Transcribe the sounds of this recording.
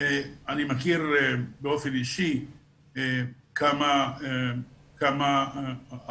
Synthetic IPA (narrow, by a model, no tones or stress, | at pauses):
eanimakiʁebeo̞feniʃi | ekamae | kama